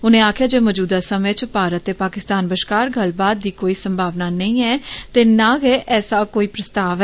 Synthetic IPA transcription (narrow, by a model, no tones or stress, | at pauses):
ʊnẽːaːkʰɪjaːd͡ʒeːmɔːd͡ʒuːd̪aːsəmet͡ʃpaːɾət̪ːeːpaːkɪst̪aːnbəʃkaːɾɡəlbaːd̪̚ːiːkoːiːsəmbʱaːʋnaːnəĩːɛːt̪eːnaːɡeːʔʔɛːsaːkoːiːpɾəst̪aːʋɛ